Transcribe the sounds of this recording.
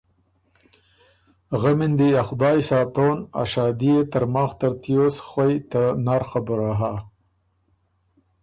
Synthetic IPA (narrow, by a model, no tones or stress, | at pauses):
ɣamɪnd̪iaxʊd̪ɑːjsɑːt̪ona̰ʃɑːd̪ijet̪aɾmɑːxt̪aɾt̪ijosxwajt̪anaɾxabʊɾaɦa